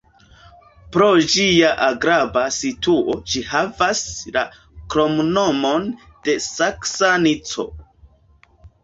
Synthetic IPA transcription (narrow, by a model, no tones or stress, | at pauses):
pɾo̞d͡ʒiaʔaɡɾabasituʔo̞d͡ʒihavasla̰ | kɾo̞mnomo̞n | d̥e̞saksanit͡so̞̰